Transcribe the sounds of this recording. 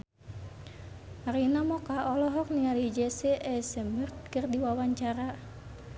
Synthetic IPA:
aɾinamɔkaʔɔlɔɦɔk̚niŋalid͡ʒɛsɛʔɛsɛmbərt̪̚kɨrdiwawaɲt͡ʃaɾa

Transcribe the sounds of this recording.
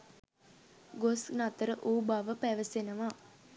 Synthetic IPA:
ɡosnat̪əɾəʔuːbaʋəpæʋəsenəʋa

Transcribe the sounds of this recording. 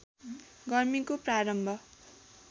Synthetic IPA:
ɡʌrmikopraɾʌmbʱʌ

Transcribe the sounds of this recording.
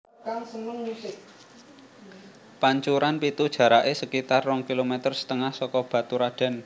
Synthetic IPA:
kaŋsəmʊnmusɪk̚ | paɲt͡ʃuɾanpit̪ud̥ʒ̥ä̤ɾaʔesəkit̪arːɔŋkilomɛt̪ərsə̥t̪əŋahsɔkɔb̥a̤t̪uɾaɖ̥a̤n

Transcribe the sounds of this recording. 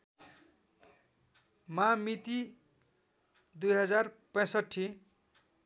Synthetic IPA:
mamit̪i | d̪ujɦʌd͡zarpʌ̃sʌʈʰːi

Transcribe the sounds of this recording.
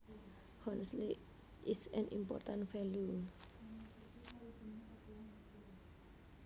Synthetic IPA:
hɔ̃nsli | ʔisɛ̃nʔḭ̃mpɔ̰tãntfɛlu

